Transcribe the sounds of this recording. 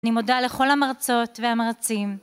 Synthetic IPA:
nimo̞daleχo̞lamaʁat͡so̞tveamaʁat͡sim

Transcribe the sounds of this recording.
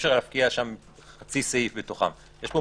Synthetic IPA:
ʃelafkiaʃam | χat͡sisaifbetoχa̰m | jeʃbo

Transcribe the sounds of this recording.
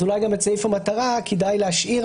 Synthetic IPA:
ulajɡamet͡sɛjfəmataʁakʰidajleaʃiʁ

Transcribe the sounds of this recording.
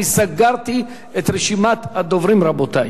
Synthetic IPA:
isaɡaɾt̪i | et̪ʁeʃimat̪had̪ovɾimɾabot̪aj

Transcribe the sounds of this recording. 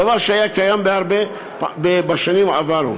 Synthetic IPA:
avaɾʃajakajambeaɾbe | bebaʃanimaavaɾo̰

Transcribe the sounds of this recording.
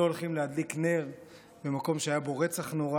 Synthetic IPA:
oolχimlead̪likne̞ʁ | bemako̞mʃeajabo̞ʁet͡saχnoʁa

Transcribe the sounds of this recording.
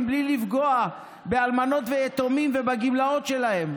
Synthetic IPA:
mblilifɡo̞a | bealmano̞t̪veet̪omimvebaɡimlao̞t̪ʃe̞lahe̞m

